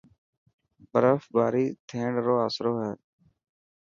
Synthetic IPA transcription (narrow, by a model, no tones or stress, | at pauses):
bəɾəfbaːɾiːt̪ʰẽːɳɖɾoːaːsɾoːɦɛː